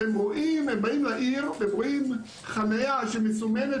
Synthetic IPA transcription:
emʁoʔimembaimlaʔiʁbebʁoim | χanajaʃemesumene

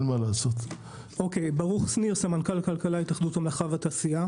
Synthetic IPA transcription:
nmalaːsot̪ | ʔokejbaʁuχsniʁsamankalakalkalajit̪aχd̪utamlaχavataːsia

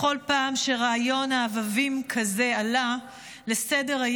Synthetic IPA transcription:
o̞lpaːmʃeʁaːjo̞naːvavimkʰaze̞ala | lesede̞ʁa

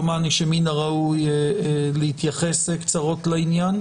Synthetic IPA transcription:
maniʃeminaʁauj | leit̪jaχesekt͡saʁo̞tlainjan

